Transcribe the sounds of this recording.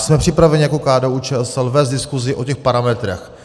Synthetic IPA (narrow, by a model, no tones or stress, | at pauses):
smɛpr̥ɪpɾavɛɲijakokaːdɛuːt͡ʃɛɛsɛlvɛːst̪dɪskuzɪʔo̞cɛxpaɾamɛt̪ɾɛ̰x